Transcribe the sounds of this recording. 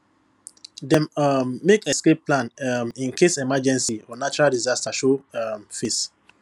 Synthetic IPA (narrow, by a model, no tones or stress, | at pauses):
dɛmːekɛskep̚plãnĩnkʰesɛmad͡ʒɛ̃nsiɔnat͡ʃuɹaldizastaʃomfes